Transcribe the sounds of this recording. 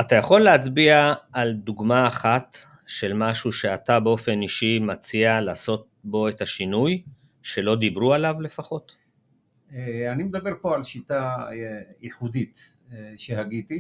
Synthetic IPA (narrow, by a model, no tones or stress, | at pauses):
atajaχo̞lːeat͡sbiaːld̪uɡmaːχat | ʃe̞lmaʃuʃe̞atabeo̞fe̞niʃimat͡sialaːso̞t̚bo̞etaʃinuj | ʃe̞lo̞d̪ibʁualavle̞faχo̞t | eanimed̪abeʁpo̞alʃita | iħud̪it̪ | ʃehaɡit̪i